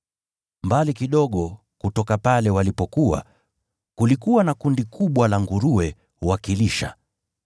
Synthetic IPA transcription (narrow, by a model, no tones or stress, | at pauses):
mbalikiɗɔɠɔ | kutɔkapalɛwalipɔkua̰ | kulikuwanakundikʰuɓwalaŋɡuɾuwɛ | wakiliʃa̰